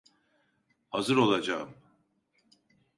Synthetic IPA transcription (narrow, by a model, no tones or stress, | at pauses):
hazɯɾo̞lˠad͡ʒaːɯm